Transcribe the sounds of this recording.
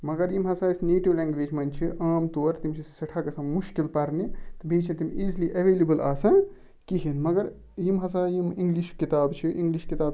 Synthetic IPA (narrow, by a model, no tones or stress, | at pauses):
mɐɡɐɾjimɦɐsaːisneːʈiʋleːŋɡʋeːd͡ʒmɐnt͡ʃʰiʔaːmt̪oːɾt̪imʲt͡ʃʰisɐʈʰakɐsɐ̃muʃkilpɐɾnit̪bʱiːt͡ʃʰĩt̪imʲiːziliʔɐʋeːlibɐlaːsɐ̃ | kiɦinmɐɡɐɾ | jimɦɐs̬ajimiŋɡliʃkit̪aːbt͡ʃʰiʔiŋɡliʃkit̪aːb